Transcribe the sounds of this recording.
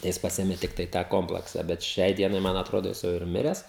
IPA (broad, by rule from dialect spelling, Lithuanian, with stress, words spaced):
tɐɪ ˈjɪs ˈpɑːsʲeːmʲeː ˈtʲɪktɐɪ tɑː ˈkoːmplˠɐksɐ bʲɛt ˈʃʲɛɪ ˈdʲiɛnɐɪ ˈmɐn ɐtˈroːdoː ˈjɪs jɛʊ ɪr ˈmʲɪrʲɛs